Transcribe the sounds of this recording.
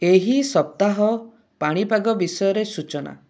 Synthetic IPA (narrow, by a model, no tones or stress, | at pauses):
eɦisɔp̚t̪aɦɔ | paɽ̃ipaɡɔbisɔjɔɾesut͡ʃɔna̰